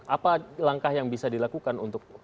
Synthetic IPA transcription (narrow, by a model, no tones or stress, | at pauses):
apalaŋkahjaŋbisadilakukanṵnt̪ʊk̚